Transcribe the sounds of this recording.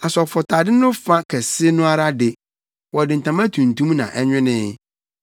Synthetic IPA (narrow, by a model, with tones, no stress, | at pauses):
a˨sɔ˨fɔ˨tʰa˨dɪ˦nʊ̃˦fã˦kʰɛ˨sɪ˦nʊ̃˦a˦ɾa˦dɪ˨ | wɔ˨dɪ̃˨n̩˨tʰã˨mã˦tʰũ˨n˨tũ˦mnã̰˨ʔɛ˦ɲᶣɪ̃˦nɪ̃ː˦